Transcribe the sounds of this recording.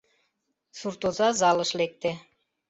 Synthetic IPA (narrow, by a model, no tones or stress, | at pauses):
suɾt̪ozɑzɑlˠɤ̆ʃlek̚t̪e